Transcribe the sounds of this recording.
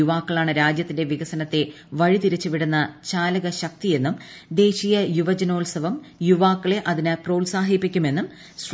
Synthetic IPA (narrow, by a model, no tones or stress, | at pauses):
uʋaːkːɐɭaːɳɨɾaːd͡ʑjɐt̪ːinde̞ʋiɣɐsɐnɐt̪ːe̞ | ʋɐɻit̪iɾit͡ɕːuʋiɽunːɐt͡ɕaːlɐɣɐɕɐk̚t̪ije̞nːumd̪e̞ːɕijɐjuʋɐd͡ʑɐno̞ːlsɐʋɐm | juʋaːkːɐɭe̞ʔɐðinɨpro̞ːlsaːɦipːikʲːume̞nːum | s